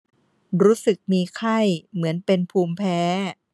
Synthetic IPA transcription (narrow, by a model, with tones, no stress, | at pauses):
ɾuː˦˥sɯ˨˩k̚miː˧kʰa˥˩jmɯ˩˦ənpe˧npʰuː˧mpʰɛː˦˥